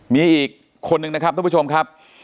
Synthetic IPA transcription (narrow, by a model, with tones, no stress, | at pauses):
miː˧ʔiː˨˩k̚ʰː | o˧nːɯ˨˧ŋna˦˥kʰa˦˥p̪̚ʰːa˧˥˦t͡ɕʰo˧mkʰa˦˥p̚